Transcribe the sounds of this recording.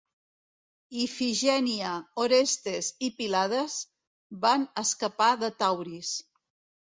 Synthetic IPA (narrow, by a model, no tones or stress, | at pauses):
ifiʒɛniəoɾest̪ezipilað̞əz | banəskəpaðət̪awɾis